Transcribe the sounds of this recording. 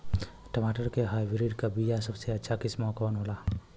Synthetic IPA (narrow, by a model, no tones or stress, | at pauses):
ʈəmaʈəɾkeɦajbiɾiɖkabijasəbseət͡ʃʰakismakɔnɦola